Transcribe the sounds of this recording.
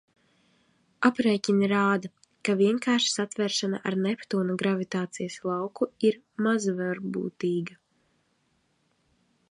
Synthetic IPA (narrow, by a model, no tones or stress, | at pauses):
apɾɛjcʲiniɾaːd̪a | kaviɛŋkaːɾʃi̥sat̪vɛɾʃana̰ʔa̰ɾnɛpt̪uːnaɡɾavit̪aːt̪sijaslˠɑwkuiɾ | mazvɛɾbṵːt̪iːɡa